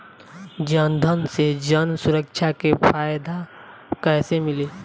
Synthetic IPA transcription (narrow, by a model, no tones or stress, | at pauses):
d͡ʒand̪ʱənsed͡ʒənsʊɾəkʃakepʰaːjd̪ʱa | kɛːsemɪleː